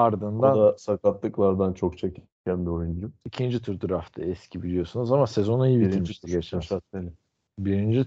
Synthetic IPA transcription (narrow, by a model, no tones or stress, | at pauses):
aɾd̪ɯnd̪and̪asakat̪lˠɯklˠaɾd̪ant͡ʃʰo̞k̚t͡ʃʰeci | cʲʰænbio̞jund͡ʒuicʰind͡ʒit̪ʰyɾd̪ʰuɾaft̪ʰɛɛscʰibilʲijo̞sunuzamasezo̞nuijibit̪imiʃt̪ʰiɟet͡ʃʃaenɪ | biɾind͡ʒi